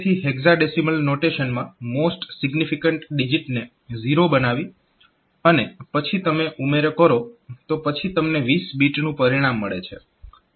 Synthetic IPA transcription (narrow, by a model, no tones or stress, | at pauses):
t̪ʰiɦeɡzaɖesiməlnoʈeʃənmãmosʈsɪɡnifikəɳʈɖid͡ʒiʈne | ziɾobənaʋi | ənepət͡ʃʰit̪əmeʔumeɾkəɾot̪opət͡ʃʰit̪əmneʋisbiʈnũpəɾiɽ̃amːəɭet͡ʃʰḛ